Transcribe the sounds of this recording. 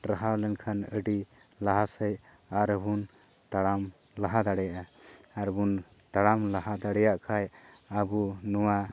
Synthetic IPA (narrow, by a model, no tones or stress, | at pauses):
ɾaɦalɛnkʰanəɖi | laɦasəj | aɾəbun | t̪aɽam | laɦad̪aɽɛjʔaaɾbun | t̪aɽamlaɦad̪aɽɛjaʔkʰajabunuwa